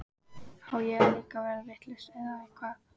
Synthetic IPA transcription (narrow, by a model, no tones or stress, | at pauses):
awjɛɾaliːkavɛːɾaɾɪht̪lɛst̪ɛðaɛkʰvaːð